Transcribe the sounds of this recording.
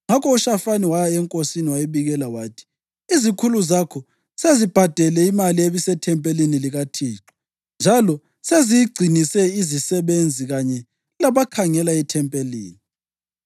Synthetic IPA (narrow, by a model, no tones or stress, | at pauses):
ŋakʰɔuʃafaniwajaɛŋkʼosiniwajeβiɣɛlawaːtʰi̥ | izikʰuluzakʰɔ | sezib̥ʱad̥ʱɛlɛimalieβisɛtʰɛmpʼeliniliɣatʰiːǁɔ̥ | nd͡ʒʱalɔ | sezijiɡ͡ǀʱinisɛizisɛβend͡zʱiɣaɲɛ | laβakʰaŋɛlaitʰɛmpʼelḭːni